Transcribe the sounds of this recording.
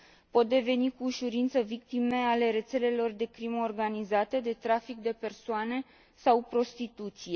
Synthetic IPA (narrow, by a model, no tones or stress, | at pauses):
po̞t̪̚d̪e̞ve̞nikuːʃuɾint̪səvik̚t̪ime̞ale̞ɾe̞t̪se̞le̞lo̞rd̪e̞kɾimorɡanizat̪e̞d̪e̞t̪ɾafikd̪e̞pe̞rsoane̞ | sawpɾo̞st̪it̪ut̪sije̞